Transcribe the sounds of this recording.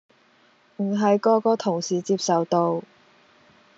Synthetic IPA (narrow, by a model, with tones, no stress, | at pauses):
m̩˨˩ɦɐ˨˧jkɔː˧kɔː˧t̪ʰʊ˨˩ŋsiː˨t͡siː˧psɐ˨wt̪o˧w